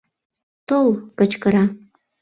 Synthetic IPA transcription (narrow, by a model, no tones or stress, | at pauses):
t̪olkət͡ɕkəɾɑ